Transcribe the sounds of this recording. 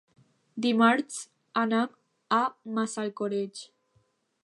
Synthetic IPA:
d̪imaɾt͡s | anam | amasalkoɾed͡ʑ

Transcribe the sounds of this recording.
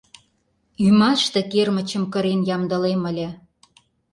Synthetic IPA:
ymɑʃt̪ĕkermə̆t͡ɕə̆mkə̆ɾenjɑmd̪ə̆lemə̆lʲĕ

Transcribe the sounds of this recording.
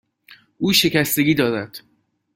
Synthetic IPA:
ʔuːʃe̞cæst̪e̞ɡʲiːd̪ɒːd̪æd̪̥

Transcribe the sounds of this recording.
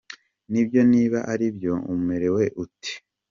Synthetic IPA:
nibjo̞niːβaʔaɾibjo̞ṵmumeɾe̞we̞ʔuti̥

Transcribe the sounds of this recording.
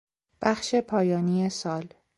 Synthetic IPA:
b̥æxʃe̞pʰɒːjɒːniːesɒːl

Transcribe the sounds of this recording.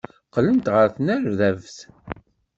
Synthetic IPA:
qlənt̪ʁəɾθənæɾðævθ

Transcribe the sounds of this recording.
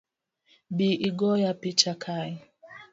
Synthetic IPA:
biʔiɡɔjapit͡ʃakʰai

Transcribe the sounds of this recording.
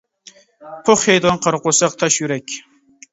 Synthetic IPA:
pʰʊχhejd̪onqʰɑɾqʊsɑq̚t̪ʰɑʃjuɾɛkʲ

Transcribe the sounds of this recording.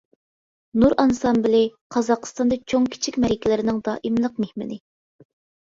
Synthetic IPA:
nuɾʔɑnsɑmbɪlɪqʰɑzɑqə̥st̪ɑnd̪ɑt͡ʃʰoŋkʲʰi̥t͡ʃʰikʲmɛɾikʲʰilɪɾɪnɪŋd̪ɑːʔimlˠəq̚mehmɪ̰nɪ

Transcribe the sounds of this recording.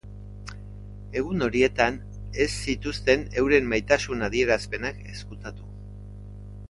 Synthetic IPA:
e̞ɣ̞uno̞ɾie̞t̪an | e̞sːit̪ust̪e̞ne̞wɾe̞mːajt̪asunaðie̞ɾaspe̞nake̞skut̪at̪u̥

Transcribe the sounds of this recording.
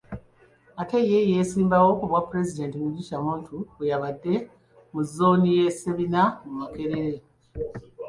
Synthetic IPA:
ate̞je̞je̞ːsiːmbawo̞kuβwapːuɾe̞zide̞ːntimuɟiʃamuːntʰuwejaβadːe̞ | muzːo̞ːnije̞se̞βinamumake̞ɾeɾe̞

